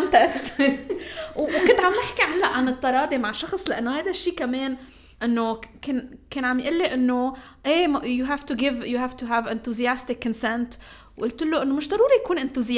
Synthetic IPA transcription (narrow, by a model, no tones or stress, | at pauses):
ant̪aʔɪst̪ | wwkɪnt̪ʕamnɪħkiʕanːaʔʕanɨt̪ˤːɑɾˤɑːd̪imaʕʃɑxsˤlaʔanːohajd̪aʃːiːkameːn | ʔɪnːokɪnkeːnʕamjʔɪlːeʔɪnːo | ʔeːmjuɦaːft̪uɡɪvjuɦaft̪uɦaːvʔɪnθuzijast̪ɪkːɪnsɛnt̪ | wʔʊlt̪ɪlːoʔɪnːomɪʃd̪ˤɑɾˤuːɾijakuːnʔɪnθuzɪ